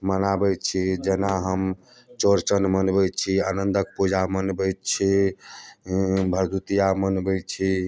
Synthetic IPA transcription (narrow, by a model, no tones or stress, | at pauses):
mənabəjt͡ʃʰid͡ʒenaɦəm | t͡ʃoɾt͡ʃənmənbəjt͡ʃʰianənd̪ʱək̚pud͡ʒamənbət̪t͡ʃʰi | bʱəɾd̪ʱut̪ijamənbət͡ʃʰi